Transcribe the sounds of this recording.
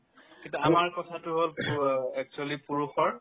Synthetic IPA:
kĩntuamaɹkɔtʰatʊɦolɛk̚t͡ʃualipuɹuxɔɹ

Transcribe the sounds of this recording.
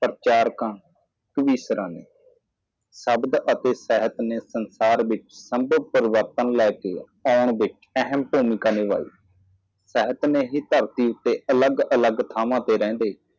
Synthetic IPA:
pəɾt͡ʃaːɾkãː | kʋiːsɾãːnḛː | səbd̪ət̪eːsɛɦət̪neːsənsaːɾʋɪt͡ʃsəmbəpəɾɪʋəɾt̪ənlɛːkeː | aːʊɳʋɪt͡ʃ | əɦəmpuːmɪkaːneːʋa̰ːḭː | sɛːɦət̪neːɦiːt̪əɾt̪iːʊt̪ːeːʔələɡələɡt̪ʰaːʋãːt̪eːɾɛ̃ːnd̪eː

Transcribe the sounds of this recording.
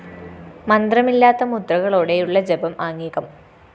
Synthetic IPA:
mɐnd̪rɐmilːaːt̪ːɐmud̪rɐɣɐɭoːɽe̞juɭːɐd͡ʑebɐmaːŋːiːɣɐm

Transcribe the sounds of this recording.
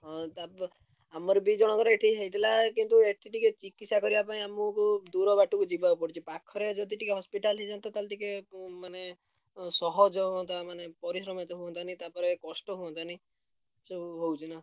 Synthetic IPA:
t̪a | amɔɾebid͡ʒɔɽ̃ɔkɔɾeeʈʰiɦejt̪ilakint̪ueʈʰiʈiket͡ʃikit̪sakɔɾibapaĩamukud̪uɾɔbaʈukud͡ʒibabɔpɔɽit͡ʃʰipakʰɔɾed͡ʒɔd̪iʈikeɦɔspiʈalɦid͡ʒant̪ɔt̪alʈikemane | sɔɦɔd͡ʒɔɦuɔnt̪amanepɔɾisɾɔmet̪ɔɦuɔnt̪ʰanit̪apɔɾekɔsʈɔɦuɔnt̪ʰani | suɦowt͡ʃʰina

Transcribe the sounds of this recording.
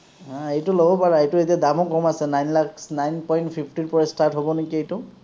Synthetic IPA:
ãejtʊlobɔpaɹaejtʊetiadamɔkɔmasɛnajnlaksnajnpɔjntpʰipʰtiɹpɔɹɛstaɹtɦobɔnekiejtʊ

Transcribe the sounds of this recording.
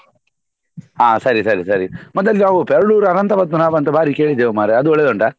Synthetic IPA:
ɦaːsɐɾisɐɾisɐɾimɔd̪ɐlːinaːʋupɛɾɐɽuːɾɐnɐnt̪ɐbɐd̪munaːʋɐnt̪ɐbʱaːɾike̞ːɭid̪ːeːʋumaːɾeɐd̪uɔɭːɛd̪oɳɖɐ

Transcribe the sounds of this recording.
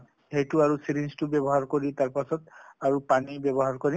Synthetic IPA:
hejtʊaɹusilinstubɛbɔɦaɹkoɹitaɹpasɔtaɹupanibɛbɔɦaɹkoɹi

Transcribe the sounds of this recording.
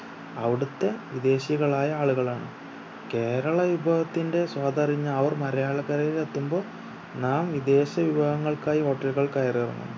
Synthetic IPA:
ɐʋiɽut̪ːe̞ʋid̪e̞ːɕjɐɣɐɭaːjɐaːɭuɣɐɭaːɳɨ̰ | ke̞ːɾɐɭɐʋubʱɐɦɐt̪ːinde̞swaːd̪ɐriɲːɐːʋɐrmɐɾɐjaːɭɐkːɐɾɐjilet̪ːumbo̞ː | naːmʋid̪e̞ːɕɐʋiʋɐɣɐŋːɐɭkaːjiɦo̞ːʈːɐlɣɐɭkɐjɐriɐrɐ̰nːṵmː

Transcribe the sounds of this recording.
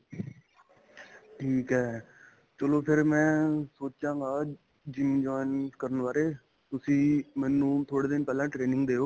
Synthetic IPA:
ʈʰiːkɦɛː | t͡ʃəloːpʰɪɾmɛ̃ːsoːt͡ʃãːŋɡaː | d͡ʒɪmd͡ʒɔːɪnskəɾənʋaːɾeː | t̪ʊsĩːmɛ̃ːnːũːt̪ʰoːɽeːd̪ɪnpɛːlãːʈɾeːnɪ̃ŋɡd̪eːoː

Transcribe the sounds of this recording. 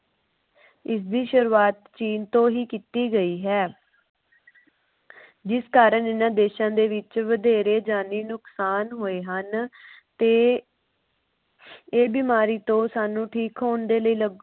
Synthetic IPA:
ɪs̬d̪iːʃʊɾuːaːt̪t͡ʃiːnt̪õːɦiːkiːt̪iːɡəiːɦɛː | d͡ʒɪskaːɾənɪnãːd̪eːʃãːd̪eːʋɪt͡ʃʋəd̪eːɾeːd͡ʒaːniːnʊksaːnɦoːeːɦənt̪eː | eːbiːmaːɾiːt̪õːsaːnũːʈʰiːkɦoːnd̪eːləiːləɡ

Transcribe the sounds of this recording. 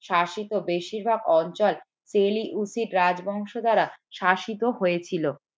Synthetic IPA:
ʃaʃit̪obeʃiɾbʱaɡɔnt͡ɕɔl | seliʔusiɾɾad͡ʑbɔŋʃod̪aɾaʃaʃit̪oɦoet͡ɕʰilo

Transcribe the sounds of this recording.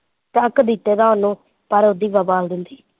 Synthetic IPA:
t̪əəkd̪it̪ːeːd̪ãːʊnõː | pəɾod̪iːʋəbaːld̪ɪnd̪iː

